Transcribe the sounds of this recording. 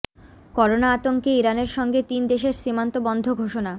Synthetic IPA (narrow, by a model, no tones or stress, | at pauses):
kɔɾonaat̪oŋkeiɾaneɾʃɔŋɡet̪ind̪eʃeɾʃimant̪obɔnd̪ʱoɡʱoʃona